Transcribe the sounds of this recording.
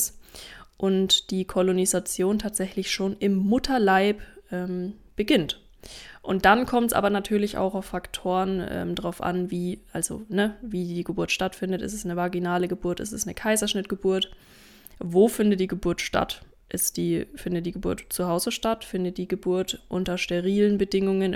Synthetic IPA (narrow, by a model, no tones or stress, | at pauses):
sʔʊntd̥iːkʰɔlonizat͡sjoːntʰaːtz̥ɛçlɪçʃoːnɪmːʊtʰɐlaɪpʔɛːmb̥əɡɪnt | ʔʊnt̚d̥ankʰɔmtsʔa̰ːbɐnatʰyːɐlɪça̰ʊxaʊfːaktʰoːʁənʔɛ̰ːmdʁaʊfʔa̰nviːʔalzo̰nəviːdiːɡəbuɐtʃtatfɪndətɪ̰stɛsnəvaɐɡinaːləɡəbuːɐtɪstɛsnəkʰaɪzɐʃnɪtɡ̥əbuːɐt | voːfɪndət̚d̥iːɡəbuɐtʃta̰t | ʔɪstd̥iːfɪndət̚d̥iːɡəbuːɐtt͡suhaʊzəʃtatfɪndət̚d̥iːɡəbuɐtʔʊntɐʃteʁ̞iːlənbədɪŋʊŋən